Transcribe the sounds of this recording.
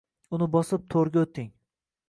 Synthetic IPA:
ʊnɪbɒsɪp̚t̪ʰoɾɡʲaot̪ʰːɪŋ

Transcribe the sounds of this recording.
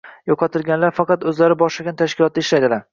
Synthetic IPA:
joqʰɑt̪ʰɪlɡʲanlaɾfɑqɑt̪ɵzlaɾɪbɒʃlaɡʲant̪ʰaʃkʲɪlˠɒt̪̚ːaɪʃlajd̪ɪla

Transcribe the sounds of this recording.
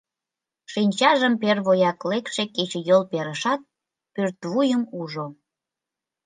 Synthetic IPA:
ʃinʲt͡ɕɑʒəmperβojɑklekʃeket͡ɕejolpeɾəʃɑt̪̚ | pørt̪βujəmuʒo

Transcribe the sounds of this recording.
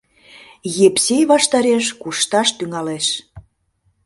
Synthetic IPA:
jepsʲejβɑʃt̪ɑɾeʃkuʃt̪ɑʃt̪yŋɑleʃ

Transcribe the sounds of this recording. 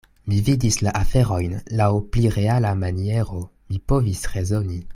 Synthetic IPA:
mividislaʔafe̞ʁo̞jnlawpliɾe̞alamanie̞ʁo̞mipo̞visʁe̞zo̞ni

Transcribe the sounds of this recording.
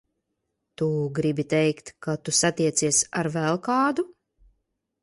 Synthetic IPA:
t̪uɡɾibit̪ɛjkt̪kat̪usat̪iɛt̪siɛsaɾvɛlˠkaːd̪u

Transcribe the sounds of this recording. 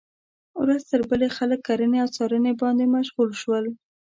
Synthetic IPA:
wɾazt̪əɾbəlexaləkːaɾəneawt͡sɑɾənebɑnd̪emaʃɣulʃwəl

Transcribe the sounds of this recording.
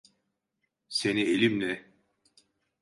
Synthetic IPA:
senielʲimlʲɛ

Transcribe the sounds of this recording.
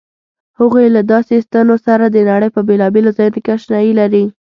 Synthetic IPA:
həɣujlad̪ɑsest̪anosaɾad̪ənaɽəjpəbelɑbelozɑjunokeaʃnɑjilaɾi

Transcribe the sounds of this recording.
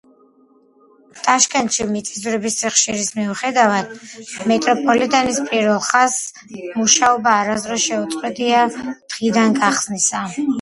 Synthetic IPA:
t̪ʼaʃkʰʼɛnt̪ʃimit̪sʼizuɾɛbist̪ʰiχʃiɾismiuχɛd̪avad̪mɛt̪ʼɾɔpʰʼɔlit̪ʼanispʼiɾvɛlˠχas | muʃaɔbaːɾazɾɔʃɛut̪ʼqʼwɛd̪iad̪̥ʁid̪anɡaχz̥nisa

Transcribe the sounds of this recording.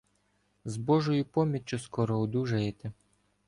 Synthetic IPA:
zbɔʒɔjʊpɔmʲit͡ʃʊskɔɾɔɔd̪uʒɐjet̪ɪ

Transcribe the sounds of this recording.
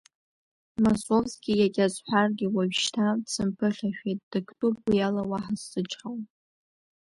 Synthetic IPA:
mosovzɡʲijakʲʼazħʷᶣarɡʲɪwaɥʃtʰadsʰɨmpʰɨχʲaʃᶣejt̚ʼd̥ɨkʰtʼupʷijalawaħazːɨt͡ʃʼχaw

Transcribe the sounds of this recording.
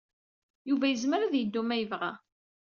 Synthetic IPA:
juvæjəzməɾæðjəd̪ːumæjəvʁæ̰

